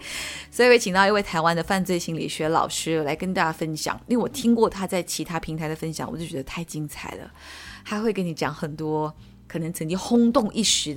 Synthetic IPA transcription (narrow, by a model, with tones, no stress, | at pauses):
swi˨˧˩we˧˥t͡ɕʰi˨ŋt̪ɑ˥˧ʊi˧we˥˩ɪt̪ʰa˧˥ɪwa˥nd̪ə˨fa˥˧nt͡swe˥˧ɪɕi˥˩ŋlḭ˨˩ɕɥɛ˧˥lɑ̰˨˩ʊʂɻ̩˥˩la˧˥ɪkə˥ni˩t̪a˥˩t͡ɕja˥˩fə˥nɕjɑ̰˨˩˦ŋni˥˧˥wɔ˨˩t̪ʰi˥ŋkwɔ˥˩t̪ʰa˥t͡sa˥˩ɪt͡ɕʰi˧˥t̪ʰa˥pʰi˧˥ŋt̪ʰa˧ɪd̪ə˨fə˥nɕjɑ˨˩˦ŋwɔ˨˩t͡ɕjt͡ɕʲɛ˧˥d̪ə˧t̪ʰa˥˩ɪt͡ɕi˥ŋt͡sʰa̰˨˩ɪlə̰˦xa˧˥ɪxwe˥˩ɪkə˥ni˧˥t͡ɕjɑ˨˧˥ŋxə˨˩nt̪wɔ˥ | kʰɤ˨˩nɤ˧˥ŋt͡sʰɤ˧˥ŋt͡ɕi˥ŋxʊ˥ŋt̪ʊ˥˧ŋʔi˥˩ʂɻ̩˧˥